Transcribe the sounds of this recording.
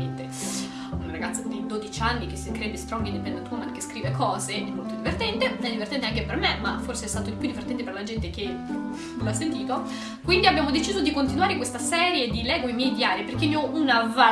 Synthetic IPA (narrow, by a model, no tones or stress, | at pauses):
ent̪e | unraɡat̪sːod̪id̪od̪it͡ʃianːikesːek̪ɾeːb̪est̪ɾɔŋɡind̪ipɛnd̪ent̪uomekːe̥skɾiːvekʰɔːzeʔɛmːolt̪od̪ivert̪ɛnt̪eɛd̪ivert̪ɛnt̪eaŋkepermemaforseɛst̪aːt̪od̪ipjud̪ivert̪ɛnt̪eperlad͡ʒɛnt̪ek̟e | lasːent̪iːt̪o | kwind̪iabjaːmod̪et͡ʃiːzod̪ikont̪inwaːɾekwest̪asɛːɾjed̪ilɛːɡoimjɛjd̪iaːɾiperk̟enːeɔʔunava